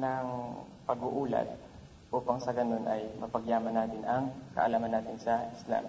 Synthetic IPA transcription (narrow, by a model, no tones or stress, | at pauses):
nɐŋ | pɐɡʊʔuːlɐ̰t̪̚ | ʔuːpɐŋsɐɡɐno̞nʔɐjmɐpɐɡjaːmɐnaːt̪ɪnɐŋkɐʔɐ̰laːmɐnaːt̪ɪnsɐʔɪsla̰m